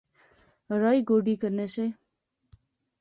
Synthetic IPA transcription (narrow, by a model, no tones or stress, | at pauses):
ɾajɡoːɖikəɾnese